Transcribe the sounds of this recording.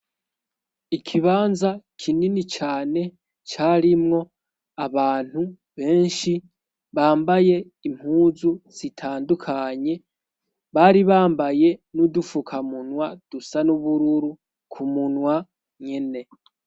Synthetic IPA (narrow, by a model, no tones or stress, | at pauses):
ikʰiβaːnzakʰininit͡ʃaːne̞ | t͡ʃaːɾimŋo̞ | aβaːn̥hu | βe̞ːnʃi | βaːmbaje̞ | im̥huːzuz̥itʰaːndukʰaɲe̞ | βaɾiβaːmbaje̞nudufukʰamunwad̥usanuβuɾuɾu | kʰumunwa | ɲe̞ne̞